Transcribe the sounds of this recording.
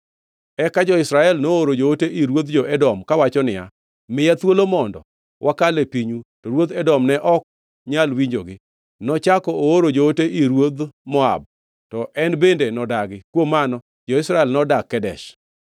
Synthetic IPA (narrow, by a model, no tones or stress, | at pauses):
ɛkad͡ʒɔɪsɾaɛlnooɾod͡ʒooteʔiɾwod̪d͡ʒɔɛdɔmkawat͡ʃɔnɪja̰ | mɪjat̪wolomɔndɔ̰ | wʔakalepiɲutɔɾwod̪ɛdɔmnɛʔɔk̚ | ɲalwiɲd͡ʒoɡɪ | nɔt͡ʃakɔooɾod͡ʒooteʔiɾwod̪mɔa̰b̚ | tɔʔɛnbendenɔdaɡɪkwomːanɔ | d͡ʒɔɪsɾaɛlnɔdakːɛdɛ̰ʃ